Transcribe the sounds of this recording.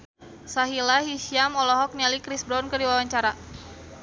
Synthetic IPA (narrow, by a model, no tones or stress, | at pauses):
saɦilaɦiʃiamɔlɔɦɔk̚nialikɾisbɾɔnkərdiwawaɲt͡ʃaɾa